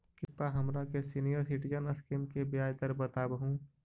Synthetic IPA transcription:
kɪpːaɦəmɾakesinijəɾsiʈid͡ʒənəskimkebjaːjd̪əɾbət̪abəɦũ

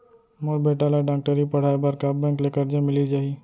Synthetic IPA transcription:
moɾbeːʈaːlaɖãːk̚ʈəɾipɐɽ̤aːibaːɾkabːɛ̃ːŋklekəɾd͡ʒamɪlid͡ʒaːɦi

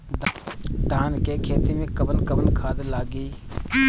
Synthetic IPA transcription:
d̪ʱaːnkeːkʰeːt̪imẽːkəbənkəʋənkʰaːd̪laːɡiː

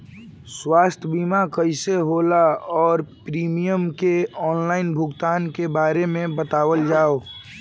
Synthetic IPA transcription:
swaːst̪ʰəbimakəɪseɦoːlaɔːɾpɾiːmijəmkeɔːnlaːɪnbʱʊɡt̪aːnkebaːɾemẽbət̪aːwəld͡ʒaːo

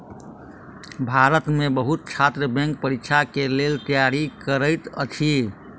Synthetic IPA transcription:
bʱaɾət̪mebəɦut̪̚t͡ʃʰat̪ɾəbɛ̃ŋk̚pəɾikt͡ʃʰakelelt̪əjaɾikəɾəjt̪ə̰t͡ʃʰi

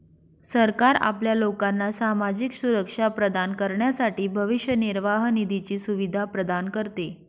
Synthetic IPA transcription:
səɾkaɾa̰pljalokanːasamad͡ʑiksuɾəkʂapɾəd̪ankəɾɳjasaʈiːbʱəʋiʂjəniɾʋaɦnid̪it͡ɕiːsuʋid̪ʱapɾəd̪ankəɾt̪e

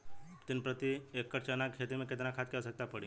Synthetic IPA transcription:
t̪ɪnpɾət̪iekːəɾt͡ʃənakʰet̪imẽkɪt̪nakʰat̪̚kɛsək̚t̪apəɽĩ

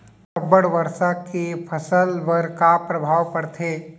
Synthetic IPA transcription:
ɐbəɽʋɐɾsakepʰɐsəlʋəɾkapɾɐbʱaːwpɐɾt̪ʰeː

